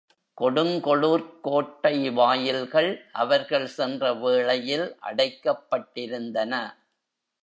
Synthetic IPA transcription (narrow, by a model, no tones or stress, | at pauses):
kɔɽɯŋkɔɭuːɾkoːʈːɐɪʋaːjɪlɣɐɭʔɐʋɐɾɣɐɭsɛndrɐʋeːɭɐjɪlʔɐ̰ɽɐɪkːɐpːɐʈːɪɾɯnd̪ɐnɐ